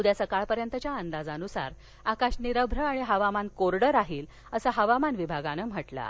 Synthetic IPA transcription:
ud̪jasəkaɭpəɾjənt̪ət͡ɕjaənd̪ad͡zanusa̰ɾ | akaɕniɾəbʱɾəaɽ̃iɦəʋamankoɾɽəɾaɦiːl | əsəɦəʋamanʋibʱaɡanəm̤əʈla̰

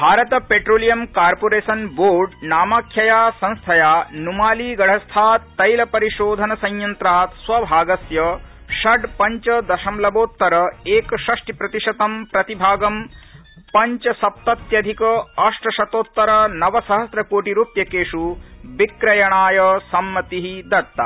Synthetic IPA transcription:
bʱaːɾɐt̪ɐpeʈɾoːlijɐmkaːɾpoːɾeːsɐnboːɾɖnaːmaːkʰːjɐjaːsɐ̃ñst̪ʰɐjaːnumaːliːɡɐɽ̤ʱɐst̪ʰaːt̪ːɐjlɐpɐɾiʃoːd̪ʱɐnɐsɐ̃ɲjɐnt̪ɾaːt̪sʋɐbʱaːɡɐsjɐ | ʃɐɖpɐɲt͡ʃɐd̪ɐʃɐmlɐboːt̪ːɐɾɐeːkɐʃɐʂʈipɾɐt̪iʂɐt̪ɐmpɾɐt̪ibʱaːɡɐm | pɐɲt͡ʃɐsɐp̚t̪ɐt̪jɐd̪ʱikɐɐʂʈɐʃɐt̪oːt̪ːɐɾɐnɐʋɐsɐɦɐsɾɐkoːʈiɾuːpjɐkeːʂubikɾɐjɐɳaːjɐsɐmːɐt̪iɦid̪ɐɾt̪ːɐ̰

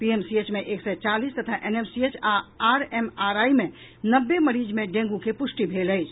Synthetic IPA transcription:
piemsiet͡ʃmeʔeksɛt͡ʃalist̪ət̪ʰaʔenemsiet͡ʃaaɾemaɾaime | nəbːeməɾid͡ʒmeɖẽŋ̆ɡukepusʈibʱeləɪt͡ʃʰ

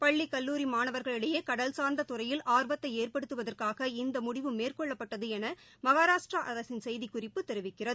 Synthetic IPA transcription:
pɐɭːikɐlːuːɾimaːnɐʋɐɾɣɐɭɪɽɐjeːkɐɽɐlsaːɾnd̪ɐt̪ʊrɐjɪlʔaːɾbɐt̪ːɐɪeːrpɐɽɯt̪ːɯʋɐðɐrkaːɣɐɪnd̪ɐmʊɽɪʋɯmːeːrkɔɭːɐpːɐʈːɐðɯɛnɐ | mɐɣaːɾaːʂʈrɐʔɐɾɐsɪnsɛjðikʊrɪpːɯt̪ːɛɾɯʋɪkːɪrɐðɯɯ

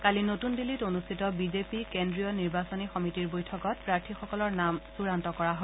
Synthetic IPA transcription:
kalinotundilitonustʰitɔbizepikendɹijɔniɹbasɔnixɔmitiɹbojtʰɔkɔt̚pɹaɹtʰixɔkɔlɔɹnamsuɹantɔkɔɹaɦɔ

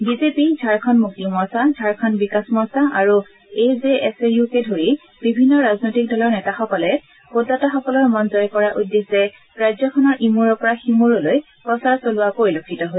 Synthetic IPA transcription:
bizepizʱaɹkʰɔnmuk̚timɔsazʱaɹkʰɔnbikasmɔsaʔaɹu | ezeɛsejukedʱoɹi | b̥ibʱinːɔɹaznojtik̚dɔlɔɹnɛtaxɔkɔlɛ | podataxɔkɔlɔɹmɔnzɔjkɔɹaʔudːeszɛ | ɹazɔkʰɔnɔɹʔimuɹɔpɔɹaximuɹɔloj | pɔsaɹsolʊwakoɹilokʰːitɔɦo

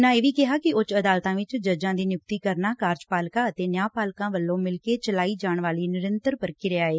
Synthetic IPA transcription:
nãːeːʋiːkɪɦaːkɪʊt͡ʃəd̪aːlt̪ãːʋɪt͡ʃd͡ʒəd͡ʒãːd̪iːnjʊk̚t̪iːkəɾnaːkaːɾd͡ʒpaːlkãːət̪eːnjaːpaːlkãːʋəlːõːmɪlkeːt͡ʃəlaːiːd͡ʒaːɳʋaːliːnɪɾənt̪əɾpəɾkiːɾɛaːeː

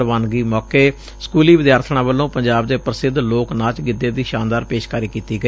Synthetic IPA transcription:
ɾʋaːnɡiːmɔːkeː | skuːliːʋɪd̪jaːɾt̪ʰɳ̃ãːbəlːõːpəɲd͡ʒaːbd̪eːpɾəsɪd̪loːknaːt͡ʃɡɪd̪eːd̪iːʃãːnd̪aːɾpeːʃkaːɾiːkiːt̪iːɡəi

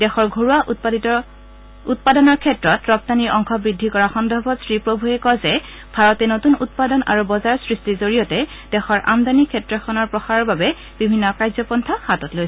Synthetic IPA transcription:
dɛxɔɹɡʱoɹuaɔ | ut̚padɔnɔɹkʰɛtɹɔtɹɔp̚taniɹʔɔŋxʰɔbɹidʱːikɔɹaxɔndʱɔbɔtsɹipɹobʱuɦɛkɔzɛ | bʱaɹɔtɛnotunut̚padɔnʔa̰ɹubɔzaɹsɹistizoɹijɔtɛ | d̥ɛxɔɹʔa̰mdanikʰɛtɹɔxʰɔnɔɹpɹɔxaɹɔɹbabɛ | b̥ibʱinːɔkaɹzɔpɔntʰaxatɔtlojsɛ̥

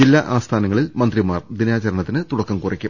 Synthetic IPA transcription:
d͡ʑilːɐʔaːst̪ʰaːnɐŋːɐɭilmɐnd̪rimaːrd̪inaːt͡ɕɐɾɐɳɐt̪ːinɨt̪uɽɐkːɐmkuːrikʲːu

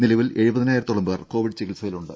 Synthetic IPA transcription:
nilɐʋile̞ɻubɐðinaːjiɾɐt̪ːoɭːɐmbeːrko̞ːʋiɖt͡ɕikːilsɐjiluɳɖɨ

